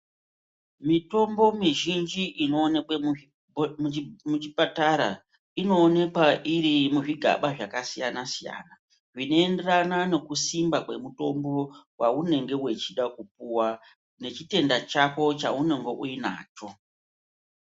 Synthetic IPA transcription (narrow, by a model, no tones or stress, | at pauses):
mito̞mbo̞miʒind͡ʒiʔino̞ːnekwe | mut͡ʃipataɾa̰ | ino̞ːne̞kwaʔiɾimuʐiɡʱa̰ɓaʐakasijanasija̰na | ʐino̞e̞nde̞ranane̞kusimbakwe̞muto̞mbo̞waune̞ŋɡe̞we̞t͡ʃiɗakup̚uwa | ne̞t͡ʃite̞ndat͡ʃako̞t͡ʃaune̞ŋɡe̞ʔuina̰ːt͡ʃo̞